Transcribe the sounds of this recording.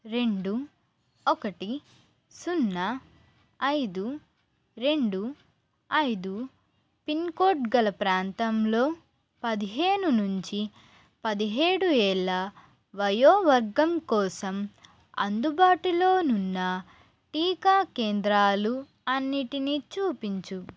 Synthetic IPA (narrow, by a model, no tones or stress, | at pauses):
ɾe̞ɳɖu | ɔkɐʈi | sunːɐː | jd̪u | ɾe̞ɳɖu | ɐjd̪u | pinkoːʈɡɐlɐpɾaːnt̪ɐmlo̞ː | pɐd̪iɦe̞ːnunuɲt͡ʃi | pɐd̪iɦeːɽuɛːɭːa | ʋɐjoːʋɐɾɡɐmkɔːsɐm | ɐ̰nd̪ubaːʈilo̞ːnunːɐ | ʈiːkaːkeːnd̪ɾaːlu | ɐnːiʈinit͡ʃuːpiɲt͡ʃu